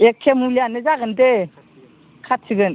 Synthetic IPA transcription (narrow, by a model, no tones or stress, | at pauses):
ekʰːemulijanɯzaɡɯnde | kʰatʰiɡɯn